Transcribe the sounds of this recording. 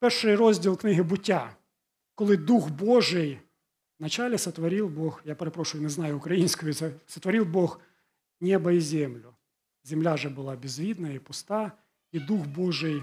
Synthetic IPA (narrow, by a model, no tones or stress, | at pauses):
pɛrʂɪjɾɔzʲdʲilˠknɪɦɪbʊtʲːa | kɔlˠɪd̪uxboʐɪj | nɐt͡ɕalʲɪsɐt̪ʋɐɾʲilˠboxjapeɾɐpɾɔʂʊjʊnɛznɑjʊʊkɾɐjinʲsʲkʊjʊsɐt̪ʋɐɾʲilˠbɔx | nʲɛbɐizʲemlʲʊ | zʲɪmlʲaʐɛbɨlˠɑbʲɪzʋʲid̪nɐipʊst̪ɑ | id̪uxbɔʐɪj